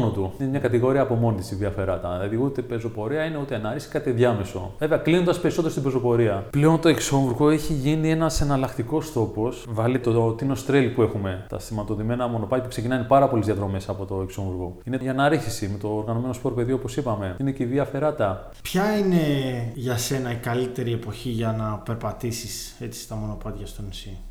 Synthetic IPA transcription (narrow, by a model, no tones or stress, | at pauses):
not̪uinemɲɐkɐt̪iɣo̞ɾiɐːpo̞mo̞nit̪i̥siviɐfe̞ɾɐt̪ɐɐðiut̪epezo̞po̞ɾiɐine̞ut̪ienɐɾiçsi̥kɐt̪ieðʝɐme̞so̞̰veve̞ɐklinond̪ɐspe̞ɾisot̪eost̪ibezo̞po̞ɾiɐple̞o̞nt̪o̞ekso̞ɱvuɾɣo̞eçiʝinie̞nɐsɐnɐlɐkt̪iko̞st̪o̞po̞svɐlit̪ot̪ino̞st̪ɾelpue̞xume̞t̪ɐ̰st̪imɐt̪o̞ðime̞nɐmo̞no̞pɐt̪jɐpukse̞cinɐnipɐɾɐpo̞lizðjɐt̪ɾo̞me̞sɐpo̞t̪o̞e̞ksoɱuɾɣo̞ine̞ʝɐnɐɾiçisime̞t̪oːɾɣɐno̞me̞no̞spo̞ɾpe̞ðioopo̞sipɐme̞ine̞ceiðiɐfe̞ɾɐt̪ɐ | pçɐine̞ʝɐse̞nɐikɐlit̪e̞ɾie̞po̞çiʝɐnɐpe̞ɾpɐt̪isis | e̞t͡si̥st̪ɐmo̞no̞pɐt̪ʝɐst̪onisi